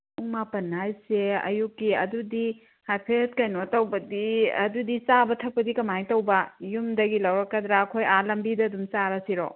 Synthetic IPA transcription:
uŋmapɐnajseɐ̰jukːiɐ̰dudi | hajpʰet̚kɐjnotɐwbɐdiɐ̰dudisabɐtʰɐk̚pɐdikɐmajŋtɐwbɐjumdɐɡilɐwɾɐkːɐdɾaːkʰojalɐmbidɐːdumsaɾɐsiɾo

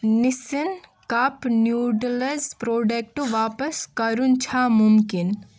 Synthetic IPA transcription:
nisinkaːpnjuːɖlɐzpɾoːɖek̚ʈuʋaːpɐskɐɾunt͡ʃʰamumkin

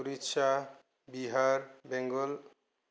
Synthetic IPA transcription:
uɾitːʃʰa | biɦaɾbeŋɡol

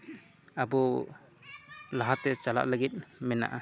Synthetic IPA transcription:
abɔ | laɦat̪ɛt͡ʃala̰ʔləɡit̪̚mɛna̰ʔa

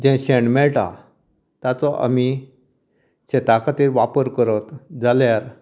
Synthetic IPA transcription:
d͡ʑɛ̃ɕeɳmɛɭʈa̰ | t̪jat͡sɔʔa̰mi | ɕẽt̪akʰat̪iɾʋapəɾkəɾət̪d͡zaljaɾ

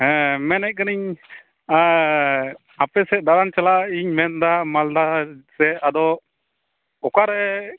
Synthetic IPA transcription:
hɛ̃mɛnɛʔ̚kəniɲ | a | apɛsɛd̪aɾant͡ʃalaiɲmɛnd̪amald̪asɛad̪ɔ | ɔkaɾɛ

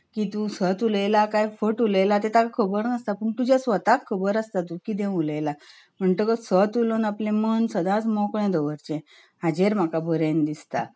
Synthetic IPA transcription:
kit̪ũsət̪uləjlakajfəʈuləjlat̪̬et̪akʰəbəɾnəst̪apəɳt̪ud͡ʑjasʋət̪akʰːəbəɾəst̪at̪ukid̪ẽuləjla | m̤əɳʈ̪əkəsət̪ulonaplẽmənsəd̪at͡smɔkɳẽd̪əʋəɾt͡ɕɛ̃ | ɦad͡ʑeɾm̤akabʱəɾẽnd̪ist̪a̰

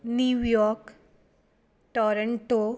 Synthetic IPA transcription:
njujɔːɾk | ʈɔːɾəɳʈo

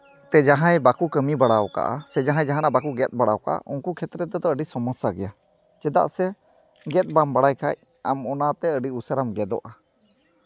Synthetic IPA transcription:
t̪ɛd͡ʒaɦãjbakukəmibaɽawka̰ʔa̰sɛd͡ʒaɦãjd͡ʒaɦanaʔbakuɡɛt̪̚ˀbaɽawka̰ʔa̰ʔuŋkukʰɛt̪ɾɛt̪ɛd̪ɔəɖisɔmɔsaɡɛja | t͡ʃɛd̪a̰ʔsɛ | ɡɛt̪̚bambaɽajkʰa̰j̚ | amɔnat̪ɛəɖiusəɾamɡɛd̪ɔ̰ʔa

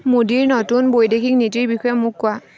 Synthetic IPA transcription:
modiɹnotunbojdekʰiknitiɹbixɔjɛmʊkːʊa

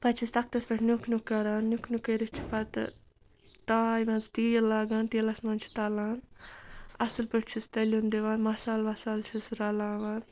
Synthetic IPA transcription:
pɐt͡ʃʰist̪ɐk̚t̪ɐsbɐʈʰnʲukʰnukːɐɾaːnnukʰnukɐɾit͡ʃʰi̥pɐt̪ | t̪aːjmɐnzt̪iːlaːɡaːnt̪iːlɐsmɐnt͡ʃʰi̥t̪ɐlaːn | ɐsɨlpɐʈt͡ʃʰist̪ɐlʲund̪iʋaːnmɐsaːlʋɐsaːlt͡ʃʰisɾɐlaːʋaːn

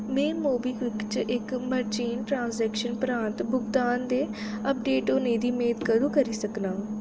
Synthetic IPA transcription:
mɛ̃ːmoːbiːkɪkt͡ʃʔɪkməɾt͡ʃiːnʈɾãːnsɛːkʃənpɾãːnt̪bʊkd̪aːnd̪eː | əp̚ɖeːʈʊnẽːd̪iːmeːd̪kəɾũːkəɾiːsəknaː

